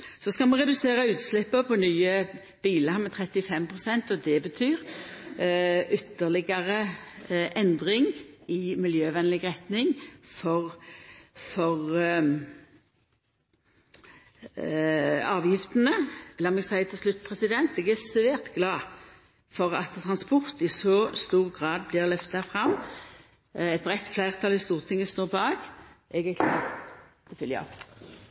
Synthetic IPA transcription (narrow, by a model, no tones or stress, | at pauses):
sɔskɑlmɑʁɛd̪ʉseːʁəʉːt̪slɪpːəpʰɔnyːə | b̥iːləhɑmɛt̪ʰʁɛt̪ːɪfɛmpʰʁʊsɛnt̪ɔd̪ɛbət̪ʰyːʁ | ʔʏt̪ːəʁlɪɡɑʁəʔɛnd̪ʁɪŋɪmɪljøːʋɛnlɪɡʁɛt̪nɪŋfɔʁ | fɔʁ | ɑːʋjɪft̪nəɛləɔmɛɡsæɪət̪ʰɪlslʉt̪ːpʰʁɛsɪd̪ɛnt̪ɛɡæsʋeːʁt̪ɡlɑː | fɔʁɑ̰t̪t̪ʰːʁɑnspʊʁt̪ɪsɔst̪uːʁɡʁɑːd̪̚blɪʁlœft̪ɑfʁɑm | ɛt̪̚bʁɛt̪ːflæɪʁt̪ʰɑlɪst̪uːʁt̪ʰɪŋːəst̪oːʁpʰɔɑːɡʔɛɡæʁkʰlɑ̰ːt̪ʰfʏljə̰ɑ̰p